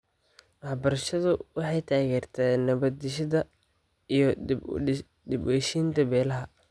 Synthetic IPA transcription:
wɑħbɐɾɐʃɐðʊwɑħɑjt̪ʰaːɣɛːrt̪ʰaːnɐβɐd̪ɪʃɐðɐ | ijɞ | d̪ɪbwɛʃiːnt̪ʰɐbɛːlɐɦɐ

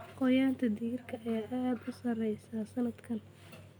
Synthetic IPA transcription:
qɔjaːnt̪ʰɐd̪iːrkʰɐɐjaːʔaːd̪ʊsɐɾɛjsaːsɐlɐd̪kʰɐn

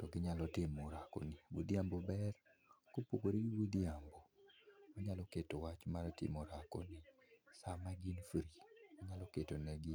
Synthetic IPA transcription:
tɔɡɪɲalɔtɪmɔɾako̰nɪbud̪iambobɛr | kopokoɾiɡibud̪iambomɔɲalɔketowat͡ʃmaɾtɪ̰moɾako̰nɪsamaɡinfɾimɔɲalɔketonɛɡɪ

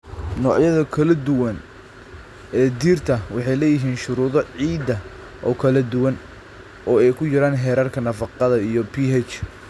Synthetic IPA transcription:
nɔːʕjɐðɐkʰɐlɐd̪ʊwɐn | ɛːd̪iːrt̪ʰɐwɑħɑjlɛːjɪɦiːnʃʊɾuːðɔʕiːd̪ɐ | ʔɔːkʰɐlɐd̪ʊwɐn | ʔɔːɛjkʰʊjɐɾaːnɦɛːɾɐrkʰɐnɐfɑqɑðɐijɔpʰiːɦɛt͡ʃ

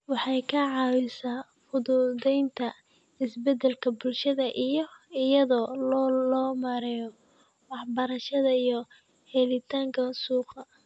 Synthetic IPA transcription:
wɑħɑjkʰɐʕɑːwɪsaː | fʊðʊd̪ɛjnt̪ʰɐ | ɪsbɛd̪ɛlkʰɐbʊlʃɐðɐʔijɞɪjɐðɔːlɔːlɔːmɐɾɛjɔ | wɑħbɐɾɐʃɐðɐijɔ | hɛlɪt̪ʰaːŋkʰɐsuːqɐ

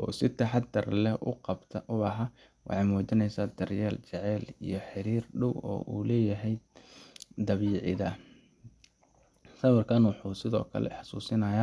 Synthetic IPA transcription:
ʔɔːsɪt̪ʰɐħɑd̪ɐrlɛʔʊ̰qɑbt̪ʰɐʔʊɐɦɐ | wʔɑ̰ħɑjmuːt͡ʃɪnɛjsaːd̪ɐrjɛːlt͡ʃɛʕɛːlḭjɞħɪɾiːrɖʊwɔ̰ːʔuːlɛːjɐɦɛj | d̪ɐβiːʕɪ̰ðɐ | sɐwɐrkʰanwɑħuːsɪðɔ̰ːkʰɐ̰lɛ̰ħɑ̥suːsɪnɐːjaː

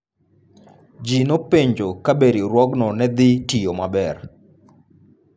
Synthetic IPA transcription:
d͡ʒinopeɲd͡ʒokabeɾiɾwɔɡnɔnɛd̪ɪtijomabɛr

